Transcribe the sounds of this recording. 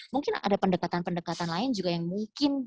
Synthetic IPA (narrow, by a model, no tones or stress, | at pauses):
muŋkɪna̰dapəndəkat̪anpəndəkat̪anlaɪnd͡ʒuɡajaŋmuŋkɪn